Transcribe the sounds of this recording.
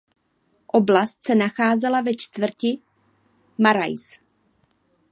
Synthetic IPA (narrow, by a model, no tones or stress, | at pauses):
ʔoblast̪sɛnaxaːzɛlavɛt͡ʃt̪vr̩cɪ | maɾa̰js